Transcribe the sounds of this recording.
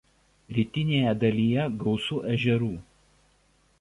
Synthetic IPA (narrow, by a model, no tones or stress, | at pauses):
ɾʲiːt̪ʲɪnʲeːjɛd̪ɐlʲiːjɛɡɒʊsuːʔɛʒʲɛɾuː